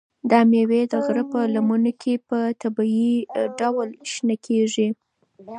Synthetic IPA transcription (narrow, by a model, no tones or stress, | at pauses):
d̪ɑmewed̪əɣɾəpəlamunokʰepət̪abɑiɖawlʃnakʰeʐi